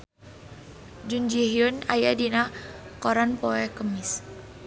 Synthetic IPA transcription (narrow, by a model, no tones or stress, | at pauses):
d͡ʒund͡ʒiɦiʊnajadinakɔɾanpɔɛkəmɪs